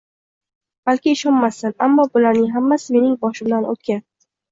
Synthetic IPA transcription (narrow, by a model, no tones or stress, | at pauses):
b̥alkʲɪːʃɒnmasɪnamːɒbʊlaɾnɪŋɦamːasɪme̞nɪŋbɒʃɪmd̪anʔo̰t̪̚kʲa